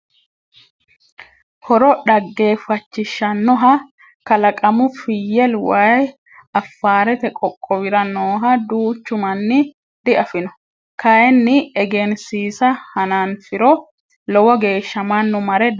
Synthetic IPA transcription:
hɔɾɔɗɐɡːe̞ːfɐt͡ʃːɪʃːɐnːɔɦɐ | kɐlɐkʼɐmʊfɪjːɛlwɐj | ɐfːaːɾɛt̪ɛkʼɔkʼːɔwɪɾɐnoːɦɐd̪uːt͡ʃːʊmɐnːɪ | d̪̥ɪʔɐfɪnɔ | kɐjɛnːɪɛɡensiːsɐhɐnaːnfɪɾɔ | lɔwɔɡe̞ːʃːɐmɐnːɔmɐɾɛ

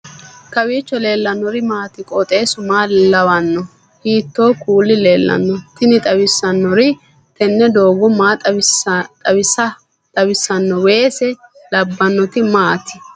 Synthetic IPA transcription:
kɐwiːt͡ʃːɔle̞ːlːɐnːɔɾɪmaːt̪ɪkʼɔt̪ʼeːsʊmaːlɐwɐnːɔ | hiːt̪ːo̞ːkuːlːɪle̞ːlːɐ̰nːɔt̪ɪnɪt̪ʼɐwɪsːɐnːɔɾɪ | t̪ɛnːɛd̪oːɡɔmaːt̪ʼɐt̪ʼɐwɪsɐ | t̪ʼɐwɪsːɐnːɔwe̞ːsɛ | lɐbːɐnːɔt̪ɪmaːt̪ɪ̥

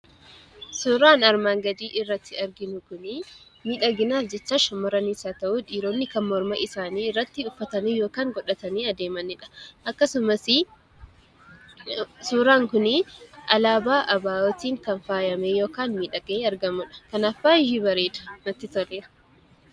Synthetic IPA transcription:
suːɾaːnɐɾmaːŋɡɐd̪iːʔɪrːɐt̪ːɪɐɾɡɪnʊkʊnɪ | miːᶑɐɡɪnaːfd͡ʒɛt͡ʃːaːʃɐmːɐɾɐnisaːt̪ɐʔuᶑ̪iːɾoːnːɪkɐmmɔɾmɐʔɪsaːniːɪrːɐt̪ːɪʊfːɐt̪ɐnijo̞ːkaːŋɡɔᶑɐt̪ɐniːɐd̪eːmɐnːɪᶑɐ̥ʔɐkːɐsʊmɐsɪ | suːɾaːŋkʊnɪʔɐlaːbaːʔɐbaːɔt̪iːŋkɐnfaːjɐmejo̞ːkaːnmiːᶑɐɡ̥eːɐɾɡɐmʊᶑɐ̥kɐnafːaːjɪhibɐɾeːᶑ̪ɐ̥nɐt̪ːɪt̪ɐleːɾɐ

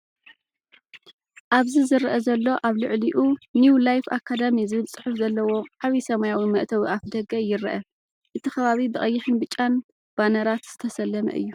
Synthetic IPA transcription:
ʔaβzizɨɾʔɐzɐlːo̞ʔaβlɨʕliʔuniwlajfakʰːad̪amizɨβɨlt͡sʼɨ̥ħufzɐlːɐwo̞ħaβisɐmajawimɐʔt̪ʰɐβʔafd̪ɐɡɐjɪɾʔɐ | ʔɨt̪ʰixɐβaβibɨkʼɐjːɪħɨnbɨt͡ʃʼan | b̥anɐɾat̪z̥ɨt̪ʰɐsɐlːɐmɐ̰ʔɨ̰jːu

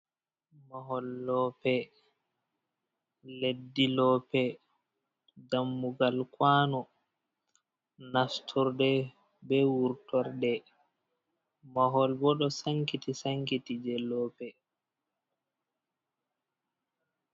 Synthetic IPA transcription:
maɦɔlːɔpɛ | ledːilɔːpɛ | damːuɡalkwaːnɔ | nastʰɔɾdɛ | bɛwuɾtɔɾdɛ | maɦɔlbɔɗɔsaŋkitisaŋkitid͡ʒɛlːɔpɛ

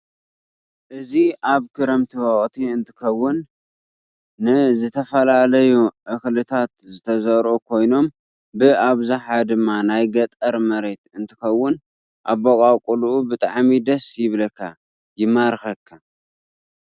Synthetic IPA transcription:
ʔɨziʔaβkʰɨɾɐmt̪ʰɨβaχʼt̪ʰiɨnt̪ʰɨ̥kɐwːʊn | ɨzɨt̪ʰɐfɐlalɐjuʔɨxlɨt̪ʰat̪zɨt̪ʰɐzɐɾʔokʰo̞jno̞m | bɨaβzaħad̪ɨmːanajɡɐt̪ʼɐɾmɐɾe̞t̪ɨnt̪ʰɨxɐwːʊn | ʔa̰βːokʼakʼuluʔubɨt̪ʼaʕmid̪ɐsjɪβlɐkʰːa | jɪmaɾxɐkʰːa

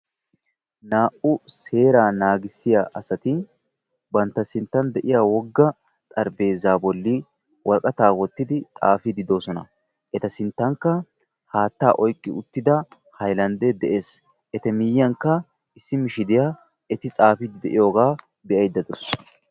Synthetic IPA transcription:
naːʔʊse̞ːɾaːnaːɡɪsːɪjaʔɐsɐt̪ɪ | bɐnt̪ːɐsɪnt̪ːɐnd̪ɛʔɪjaːwɔɡːɐ | t̪ʼɐɾbe̞ːzaːbɔlːi | wɐɾkʼɐt̪aːwɔt̪ːɪd̪ɪt̪ʼa̰ːfid̪ɪd̪o̞ːsɔnɐ̰ | ʔɛt̪ɐsɪnt̪ːɐŋkːɐ | haːt̪ːa̰ːʔɔjkʼːɪʊt̪ːɪd̪ɐ | hɐjlɐnd̪ɛd̪ɛʔe̞ːs | ʔɛt̪ɛmɪjːɐŋkːɐ | ʔɪsːɪmɪʃɪd̪ɪja | ɛt̪ɪt͡sʼaːfid̪ɪd̪ɛʔɪjo̞ːɡaː | bɛɐjd̪ɐd̪ɔs

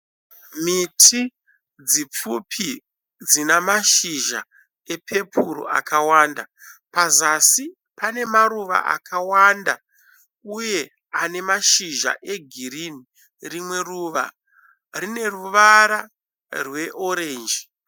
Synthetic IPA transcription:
mitʰi | d͡zip͡fupʰi | d͡zinamaʃiʒa | e̞pʰe̞pʰuɾo̰ʔa̰kawaːndapazasi | pane̞maɾuʋa̰ʔa̰kawanda | uje̞ | ane̞maʃiʒa̰ʔe̞ɡʱiɾini | rimwe̞ruʋa̰ | rine̞ruʋaɾa | rwe̞ʔo̞ɾe̞ːnd͡ʒi

